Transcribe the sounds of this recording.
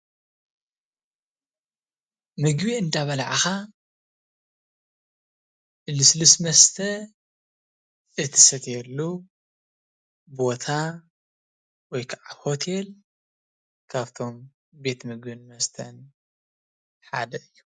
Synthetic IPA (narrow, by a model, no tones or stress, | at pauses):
mɨɡbiɨnd̪aβɐlʕaxa | ʔɨlɨslɨsmɐst̪ʰɐ | ʔɨt̪ʰɨ̥sɐt̪jɛlːu | bo̞t̪ʰa | wɔjkʰaʕaho̞t̪ʰe̞l | kʰaβt̪ʰo̞m | be̞t̪mɨɡbinmɐst̪ʰɐn | ħad̪ɐɨjːu